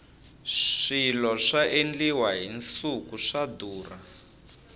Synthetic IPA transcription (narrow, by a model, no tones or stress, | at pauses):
ʂilɔʂaʔend͡ɮiwaɦint͡sukuʂaduːra